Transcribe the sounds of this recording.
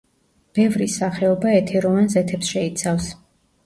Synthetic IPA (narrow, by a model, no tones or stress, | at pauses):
b̥ɛvɾisaχɛɔbaɛt̪ʰɛɾɔvanzɛt̪ʰɛpsʃɛit̪sʰafs